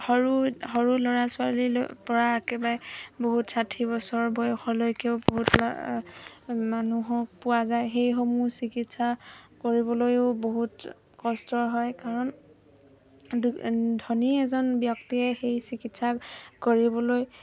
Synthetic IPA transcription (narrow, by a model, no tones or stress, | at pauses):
hɔɹuhɔɹulɔɹasʊalipɔɹaekebajboɦutsatʰibɔsɔɹbɔjɔxʰɔlojkeʊboɦut | manuɦɔpʊwazajxejxɔmusikitsakoɹibɔlojʊboɦut | kɔstɔɹɦɔjkaɹɔn | ddʱɔniɛzɔnbjɔktiɛxejsikitsakoɹibɔloj